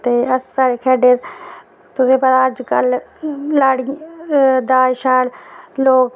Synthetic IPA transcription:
t̪eːɐsːaɾekʰɛːɖeːz | t̪ʊsẽːpɐt̪aːəd͡ʒkə̰llaːɽ | d̪aːʃaːlloːɡ

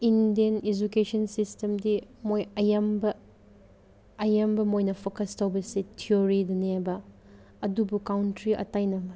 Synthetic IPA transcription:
indiɐned͡ʒukesɐnsistemdimojɐjɐmbɐ | jɐmbɐmojnɐpʰokɐstʰɐwbɐsitʰioɾidɐnebɐ | ɐdubukawntɾiʔɐ̰tajnɐmɐ

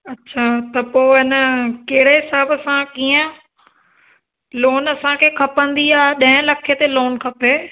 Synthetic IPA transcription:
ɐtːɕʰaːt̪ɐpoːɪnəkɐɦɪɽeɦɪsaːbəsãkiːə̃ | loːnɐsãkʰeːkʰɐpə̃nd̪iaːeɗɐ̃ɦɪ̃lɐkʰet̪eloːnkʰɐpeː

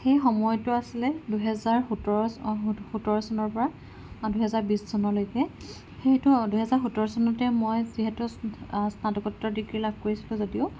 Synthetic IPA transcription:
xejxɔmɔjtʊasilɛduɦɛzaɹxutɔɹɔxutɔɹɔsɔnɔɹpɔɹa | duɦɛzaɹbissɔnɔlojkɛ | xejtʊduɦɛzaɹxutɔɹɔsɔnɔtɛmojziɦɛtʊsnatɔkɔtːɔdiɡɹilab̚ʱkoɹisilʊ̃zodioʊ

